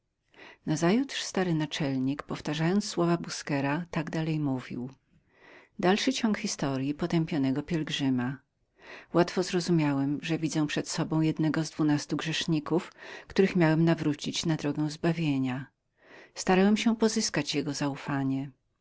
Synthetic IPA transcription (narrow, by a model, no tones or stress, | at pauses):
nazajut̪ʂst̪aɾɘnat͡ʂɛlɲikpɔft̪aʐajɔnt̪sːwɔvabuskɛɾat̪aɡd̪alɛjmuvʲḭw | d̪alʂɘt͡ɕɔŋkxʲist̪ɔɾjipɔt̪ɛmpʲjɔnɛɡɔpʲjɛlɡʐɘma | wat̪fɔzɾɔzumʲjawɛmʐɛvʲid̪zɛw̃pʂɛt̪sɔbɔ̃w̃jɛd̪nɛɡɔzd̪vunast̪uɡʐɛʂɲikufkt̪uɾɘxmʲjawɛmnavɾut͡ɕit͡ɕnad̪ɾɔɡɛw̃zbavʲjeɲa | st̪aɾawɛmɕɛpɔzɘskat͡ɕjɛɡɔzaufaɲɛ